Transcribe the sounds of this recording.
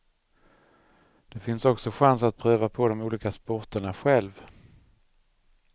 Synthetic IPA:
d̪̥ɛfɪnsɔksɔɧansat̪̚pʰɾøːvapʰɔd̪ɔmuːliːkaspɔʈəɳaɧɛlv

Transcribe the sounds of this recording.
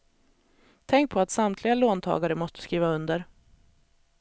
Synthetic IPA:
t̪ʰɛŋk̚pʰɔat̪samt̪ʰlɪɡaloːnt̪ʰɑ̰ːɡaɾəmɔst̪ə̥skɾiːvaɵnd̪əɾ

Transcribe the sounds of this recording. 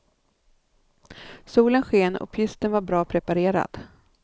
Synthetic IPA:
suːlənɧeːnɔ̰pʰʏst̪ənvaɾbɾɑːpʰɾɛpaɾeːɾa̰d̪̥

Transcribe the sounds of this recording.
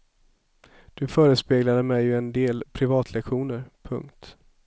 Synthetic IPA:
d̪̥ɵfœːɾəspeːɡlad̪əmɛjːɛnd̪eːlpʰɾɪvɑːt̪ʰlɛkɧuːnəɾpʰɵ̰ŋkt̪

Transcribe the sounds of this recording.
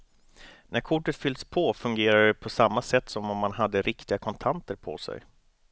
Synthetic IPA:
næɾkʰʊʈːət̪fʏld̪spʰɔfɵŋɡeːɾaɖɛpʰɔsamːasɛt̪ːsɔmɔmːanɦad̪ːəɾʔɪkt̪ɪɡakʰɔnt̪ʰant̪əɾpʰɔ̰sɛ̰j

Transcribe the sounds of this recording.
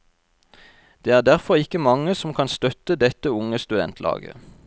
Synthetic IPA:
d̪̥eːæːʁd̪æʁfɔʁɪkəmɑŋəsɔmkʰɑːnst̪œt̪əd̪ɛt̪əʊŋəst̪ʉd̪ɛ̰nt̪ʰlʔɑ̰ːɡə̰

